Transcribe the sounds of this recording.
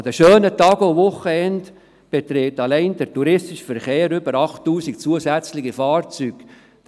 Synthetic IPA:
ɑd̥̪əʃøːnətɑːɡovʊχəɛnt | b̥et̪ɾeːtɑlɛɪnd̥əɾtuɾɪstɪʃfɛɾχeːɾʏb̥əɾɑχtːuːsikt͡suəzæt͡slɪχifɑːrt͡syːk

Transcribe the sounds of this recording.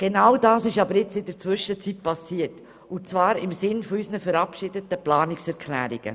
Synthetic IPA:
ɡ̥enawdɑːsɪʃɑbəɾɪt͡sɪdəɾt͡svʏʃət͡sit̚pɑsiːət | ʊt͡svɑːɾɪmsɪnfɔysnəfəɾɑpʃɪdətəplɑːnɪksɛɾkʰlæ̰ːɾɪɡ̥ə̰

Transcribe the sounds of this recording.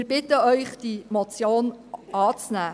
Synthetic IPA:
ɾb̥ɪtəœʏχd̥imɔt͡sjoːnʔɑːt͡snæː

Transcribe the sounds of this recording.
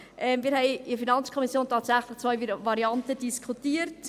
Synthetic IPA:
ʔɛmmiɾɦɛɪifinɑnt͡skʰɔmisjoːntʰɑːtsæχləχt͡sʋœʏvɑɾiɑntəd̥iskʰχutiːəɾt

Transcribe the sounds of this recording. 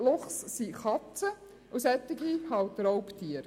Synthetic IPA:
loχssiχɑt͡sə | ʔʊsɛt̪ːɪɡihɑwt̪rɔwpt̪ʰiəɾ

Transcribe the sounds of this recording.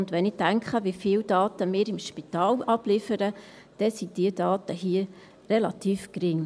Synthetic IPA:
ʊndʋɛnɪdæŋkχəʋifiːldɑːt̪əmɪːɾɪmʃpit̪ɑːlɑb̥lɪfəɾə | d̥ɛsid̥iədɑːt̪əɦiə | relɑt̪iːfkɾɪŋ

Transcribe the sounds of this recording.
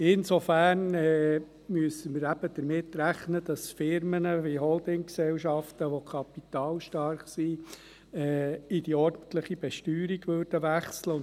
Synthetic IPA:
ɪnsofæːɾnɛː | myəsəməɾæb̥əd̥̪əɾmɪtːɾæχnəd̥̪ɑsfɪɾmənəviɦɔldɪŋksɛlʃɑft̪əʋokʰɑpit̪ɑːlʃtɑɾχsi | ɛːid̥iɔɾd̥n̩tləχib̥ɛʃtyːɾiɡʋøːɾd̥əʋæχsləʊn

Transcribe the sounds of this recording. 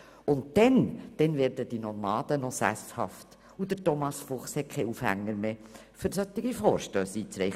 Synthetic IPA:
ʊntd̥ɛnd̥ɛnvɛːɾdəd̥inɔɾmɑːd̥̪ənɔsæ̰shɑft | ud̪ətɔmɑsfʊχshɛt̚kʰɛɪufhæ̰ŋːəɾmeː | fʏɾsœt̪ːɪɡ̥ifoːɾʃtøːsiːt͡sɾɛɪ

